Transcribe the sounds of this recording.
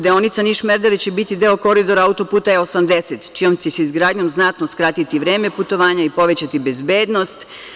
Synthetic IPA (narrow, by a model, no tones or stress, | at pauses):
d̪eonit̪saniʃmeɾd̪elit͡ɕebit̪id̪e̞oko̞ɾid̪o̞ɾaaut̪o̞puːt̪aeosamd̪e̞set̪t͡ʃijo̞mt͡ɕeseizɡɾaːd̪ɲo̞mznat̪noskɾat̪it̪iʋɾeːmeput̪o̞ʋaːɲaipo̞ʋe̞t͡ɕat̪ibe̞zbeːd̪no̞st̪